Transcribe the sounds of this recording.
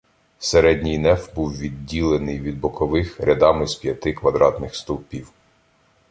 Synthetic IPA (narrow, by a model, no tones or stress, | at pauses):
seɾɛdʲnʲijnɛfbuwʋʲidʲːilˠenɪjʋʲid̪̚bɔkɔʋɪxɾʲʔɐd̪ɑmɪzpʲjɐt̪ɪkʋɐd̪ɾɑt̪nɪxst̪ɔlˠpʲiw